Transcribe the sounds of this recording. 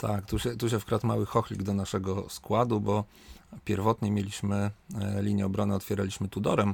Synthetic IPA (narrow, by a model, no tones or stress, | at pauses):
t̪ʰakt̪uɕɛt̪uʃ̬ɛfkɾat̪mawɘxɔxlʲḭɡd̪ɔnaʂɛɡɔskwad̪ubɔ | pʲɛɾvɔt̪ɲɛmʲjelʲiɕmɘlʲiɲjɛɔbɾɔnɘɔt̪fʲjɛɾalʲiɕmɘt̪ud̪ɔɾɛm